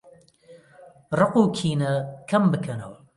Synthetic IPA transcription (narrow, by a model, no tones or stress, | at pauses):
rɨquːkʰiːnɐkʰɐmbɨkʰɐnɐwɐ